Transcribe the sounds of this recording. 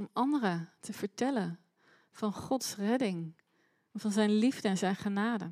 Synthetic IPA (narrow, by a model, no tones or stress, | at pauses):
ɔmɑndərətəv̥əɹtɛlən | v̥ɑnχɔtsrɛdɪŋ | v̥ɑnzɛjnlivdəɛnzɛjnχənaːdə